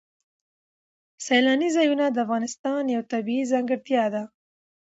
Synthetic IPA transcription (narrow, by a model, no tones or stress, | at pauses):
sajlɑnizɑjunad̪əafɣɑnɪst̪ɑnjawt̪abiizɑŋɡəɾt̪jɑd̪a